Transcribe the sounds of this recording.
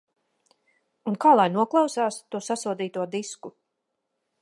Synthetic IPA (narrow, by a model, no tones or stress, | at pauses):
unkaːlˠajnuɔklˠɑwsaːst̪uɔsasuɔd̪iːt̪uɔd̪isku